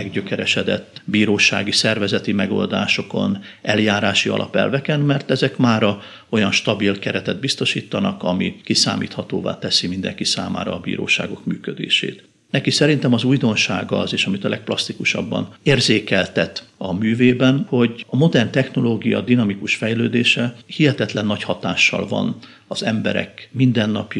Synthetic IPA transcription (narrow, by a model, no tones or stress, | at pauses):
ɛɡɟøkɛɾɛʃɛd̪ɛ̰t̪ːbiːɾoːʃa̰ːɡisɛrvɛzɛt̪imɛɡo̞̰ld̪aːʃo̞ko̞̰nʔɛljaːɾaːʃiɒ̰lʔɒ̰pɛ̰lvɛkɛnmɛrt̪ɛzɛkmaːɾɒ | ojɒnʃt̪ɒbilkɛɾɛt̪ɛd̪̚bist̪o̞ʃiːt̪ːɒnɒkɒmikisa̰ːmḭːt̪hɒt̪oːva̰ːt̪ɛsimind̪ɛŋkisa̰ːma̰ːɾɒːbḭːɾo̰ːʃaːɡo̞kmyːkød̪ḛːʃḛːt̪ | nɛkisɛɾint̪ɛmɒzuːjd̪o̞nʃaːɡɒzeːʃɒmit̪ɒlʔɛk̚plɒst̪ikuʃɒ̰bːɒ̰neːrzeːkɛlt̪ɛt̪ɒmyːveːbɛnho̞ɟɒmo̞d̪ɛrnt̪ɛxno̞loːɡijɒ̰d̪inɒmikuʃfɛjløːd̪eːʃɛhihɛt̪ɛt̪lɛnːɒchɒt̪aːʃːɒ̰lvɒ̰n | ɒzɛmbɛ̰ɾɛ̰kmind̪ɛnːɒpj